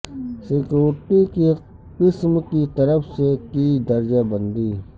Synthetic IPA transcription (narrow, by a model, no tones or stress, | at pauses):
sekjoːɾʈike | qɪsmkit̪əɾəfsekiːd̪əɾd͡ʒabə̃nd̪iː